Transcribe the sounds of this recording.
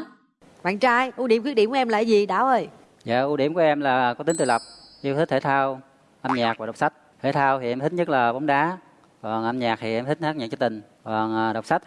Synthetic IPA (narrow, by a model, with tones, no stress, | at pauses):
ɓa̰ː˧˨nt͡ɕaː˧jʔu˧ɗi˧˩əmkwi˦˥k̚i˧˩mku˨˧ɛ˧mla̰ː˧˨˩zi˨˩ɗaː˧˦wʔəː˧˩j | za̰ː˧˨ʔu˧ɗi˧˩əmku˧˩˦ʔɛ˧mlaː˨˩kɔ˨˦i˨˦ŋ̟t̪ɨ˨˩lə˨˩k͡p̚ʔi˧t̪ʰi˦˥k̚t̪ʰe˧˩t̪ʰaː˧w | ʔə˧mɲaː˨˩k̚vaː˨˩˨wk͡p̚sa˦˥k̚t̪ʰe˧˩t̪ʰaː˧wt̪ʰi˨˩˨ʔɛ˧mʰi˦˥k̚ɲə˦˥laː˨˩ɓa˨˦wŋ͡mɗaː˨˦ | kɔ˨˩nʔə˧mɲaː˨˩k̚t̪ʰi˨˩ʔɛ˧mt̪ï˦˥k̚haː˦˥k̚ɲaː˨˩t͡ɕɔ˧˦t̪ï˨˩ŋ̟ | kɔ˨˩nʔɗə˨˩wk͡p̚sa˦˥t̚